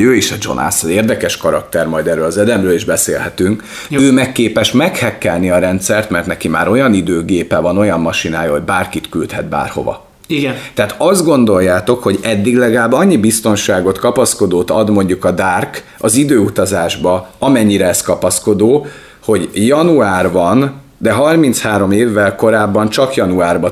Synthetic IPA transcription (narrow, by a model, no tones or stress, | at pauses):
øːiʃɒd͡ʒo̞̰nʔa̰sɒzeːrd̪ɛkɛʃkɒɾɒk̚t̪ɛrmɒjd̪ɛrːøːlɒzɛd̪ɛmrøːliʒbɛsḛːlhɛt̪yŋk | øːmɛkːeːpɛʃmɛkhɛkːɛlniɒɾɛnt̪sɛrt̪mɛrt̪nɛkima̰ːɾo̞jɒnid̪øːɡeːpɛvɒno̞jɒmːɒʃinaːjɒɦo̞ɟbaːrkit̪kylt̪hɛd̪̚ba̰ːrho̞̰vɒ̰ | t̪ɛaːt̪ɒzd̪ɡo̞nd̪o̞jːaːt̪o̞kho̞ɟɛd̪ːiɡlɛɡlaːbːɒɲːibist̪o̞nʃaːɡo̞t̪kɒpɒsko̞d̪oːt̪ɒ̰d̪mo̞ɲɟukɒd̪aːrk | ɒzid̪øːut̪ɒzaːʒbɒɒmɛɲːiɾɛɛskɒpɒsko̞d̪oː | ho̞ɟjɒnuaːrvɒn | d̪ɛɦɒrmint̪shaːɾo̞meːvːɛlko̞ɾaːbːɒnt͡ʃɒkjɒnuaːrbɒ